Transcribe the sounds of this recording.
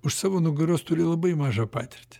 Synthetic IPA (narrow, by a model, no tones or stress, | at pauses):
ʊʃsɑːʋoːnʊɡɐɾoːst̪ʊɾʲɪlˠɐbɐɪmɑːʒɑːpɑːt̪ʲɪɾʲt̪ʲɪ̥